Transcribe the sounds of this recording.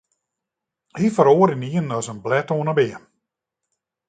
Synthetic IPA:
hifəɾoːɾiniənɔsənblɛtoənəbɪə

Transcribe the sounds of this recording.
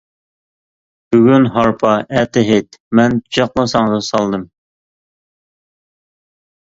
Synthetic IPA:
b̥yɡʲynɦɑɾpʰɑɛt̪ʰɪɦet̪mɛnt͡ʃɑqlˠɑsɑŋʁɑsɑlˠd̪ɨm

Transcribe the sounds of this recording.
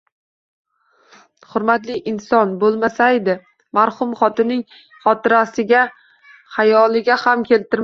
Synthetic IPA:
hʊɾmat̪lɪʔɪnsɒnbolˠmasaed̪ɪ | maɾhʊmχɒt̪ɪnɪŋ | χɒt̪ɪɾasɪɡʲa | hajɒlˠɪɡʲahamkʲʰe̞lt̪ʰɪɾ

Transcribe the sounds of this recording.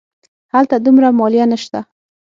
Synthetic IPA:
halt̪ad̪umɾamɔlijanəʃt̪a

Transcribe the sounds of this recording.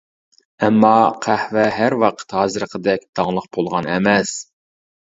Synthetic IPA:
ɛmːɑqʰæhvɛɦæɾwɑqʰə̥t̪hɑzɨɾəqʰəd̪ɛk̚ʲd̪ɑŋlˠəq̚bolˠʁɑnɛmɛs

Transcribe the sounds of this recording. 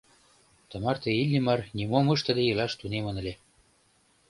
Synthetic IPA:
t̪ə̆mɑrt̪eilʲːimɑrnimoməʃt̪ə̆d̪ejəlɑʃt̪unemə̆nə̆lʲe

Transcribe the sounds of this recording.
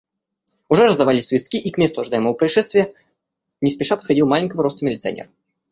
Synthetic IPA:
ʊʐɛɾəzd̪ɐvalʲɪsʲsvʲɪst̪kʲiʔikmʲest̪ʊɐʐɨd̪ajɪməvəpɾəɪʂɛst̪vʲɪjə | nʲɪspʲɪʂapət̪xɐdʲilˠmalʲɪnʲkəvəɾo̞st̪əmʲɪlʲɪt̪sɨɐ̰nʲḛrə

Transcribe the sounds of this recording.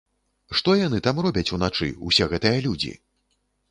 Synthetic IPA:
ʂt̪ɔjan̪ɨt̪amrɔbʲɐt͡sʲunat͡ʂɨ̰ṵsʲɛɣɛt̪ɨjɐlʲud͡zʲḭ

